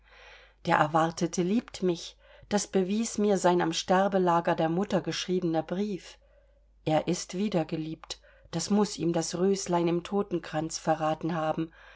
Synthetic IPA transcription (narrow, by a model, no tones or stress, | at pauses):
d̥eːɐʔɛɐvaɐtʰətʰəliːptmɪç | d̥asb̥əviːsmiːɐzaɪna̰mʃtɛʁbəlaːɡɐdeːɐmʊtɐɡəʃʁ̥iːbənɐbʁiːf | ʔeːɐʔɪstv̥iːdɐɡəliːpt | d̥asmʊsḭːmdasʁøːslaɪnɪmtʰoːtn̩kʁ̥ant͡sfɛɐʁaːtn̩ɦaːbm̩